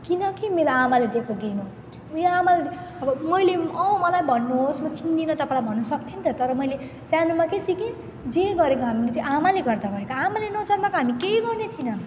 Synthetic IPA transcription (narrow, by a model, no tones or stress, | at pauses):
kinʌkimelaamaled̪ekʰoɡeno | ujaamaleʌbʌmʌjleʌmʌlajbʱʌnːuɦosmʌt͡sind̪inʌt̪ʌpãlajbʱʌnːʌsʌkt̪ʰint̪ʰʌt̪ʌɾʌmʌjle | sjanumakesikin | d͡zeɡʌɾekoɦamilet̪joʔamaleɡʌrd̪abʱʌnekoamalenʌt͡sʌrmakoɦamikeiɡʌrnet̪ʰinʌ